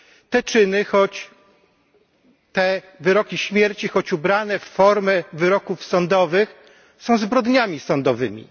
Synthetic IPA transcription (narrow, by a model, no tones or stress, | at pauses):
t̪ɛt͡ʂɘnɘxɔt͡ɕ | t̪ɛ | vɘɾɔkʲiɕmʲjɛɾt͡ɕixɔt͡ɕubɾanɛfːɔɾmɛvɘɾɔkufsɔnd̪ɔvɘx | sɔ̃w̃zbɾɔd̪ɲamʲisɔnd̪ɔvɘmʲḭ